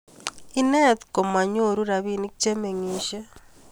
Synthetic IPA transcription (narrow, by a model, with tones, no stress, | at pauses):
ine˦tko˨ma˨ɲo˦˨ɾu˦ɾa˨βi˦ni˦kut͡ʃe˦me˨ŋiː˨ʃe˦